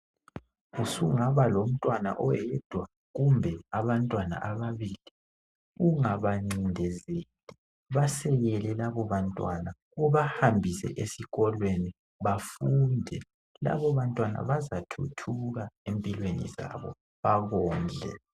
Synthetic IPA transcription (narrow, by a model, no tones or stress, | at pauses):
usuŋaβalom̩tʼwana̰ʔɔjɛd̥ʱwa | ɣumbʱɛaβantʼwana̰ʔaβaβili | uŋaβaŋ͡ǀindʱɛzeli | βasɛɣɛlɛlaβɔβantʼwana | ɔβahambʱisɛ̰ʔesiɣɔlweni | βafundʱɛ | la̰βɔβantʼwana̰βazatʰṵtʰuɣaempʼilwenḭza̰βɔ̰ | βaɣɔːnd͡ɮʱɛ̰